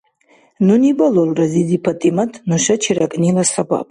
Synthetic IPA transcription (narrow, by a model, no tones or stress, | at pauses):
nunibalolrazid̪ipʰatʼimatʰʼnuʂat͡ʃʰiɾakʼnilasaɡʷʼa̰pʼ